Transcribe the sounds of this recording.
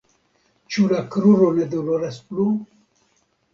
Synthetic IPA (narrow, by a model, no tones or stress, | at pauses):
t͡ʃulakɾuɾoned̪uloɾɛsplu